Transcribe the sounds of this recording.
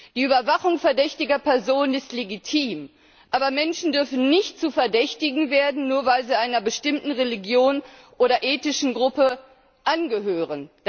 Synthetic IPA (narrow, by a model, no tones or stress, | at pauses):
d̥iːʔyːbɐvaχʊŋfɛɐdɛçtɪɡɐpɛɐzoːnənɪstleɡitʰiːm | ʔaːbɐmɛnʃn̩dʏɐfn̩nɪçtt͡suːfɛɐdɛçtɪɡŋ̩veːɐdn̩nuːɐvaɪlziːaɪnɐbəʃtɪmtn̩ʁeliɡjoːnʔoːɾɐʔeːtɪʃn̩ɡʁʊpə | ʔanɡəɦøːʁənd̥